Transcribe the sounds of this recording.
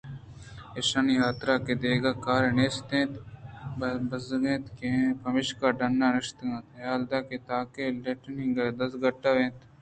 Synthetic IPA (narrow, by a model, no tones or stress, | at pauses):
eʃaniɦaːt̪ɾaːked̪eːɡaːkaːɾeneːst̪ẽːt̪bbɐzɡẽːt̪kepɐmɪʃkaːɖɐnːaːnɪʃt̪ɡãːt̪aːld̪aːket̪aːkeleʈənɪ̃ŋɡaːd̪ɐsɡɐʈːaːʋẽːt̪